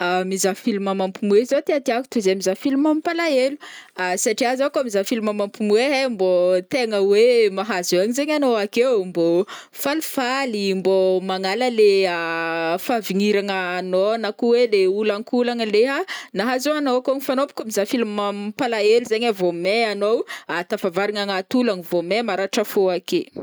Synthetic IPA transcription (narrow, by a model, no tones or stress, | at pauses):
amizafilumamampumuezot̪eat̪iaku̥t̪uzeamizafilumampalaeluasaʈ͡ʂiazakoamizafilumamampumueɦembot̪eŋəwemaɦazuaɲizeɲanoakewmbo | falifalimbomaŋaləleafaviŋiɾaŋəːnonakuweleulaŋkulaŋəleɦanaɦazoanoakoŋifanopkʲamizafilumampalaeluzeɲavomeanowat̪afavaɾiŋaŋat̪ulaŋivomemaɾaʈ͡ʂəfoake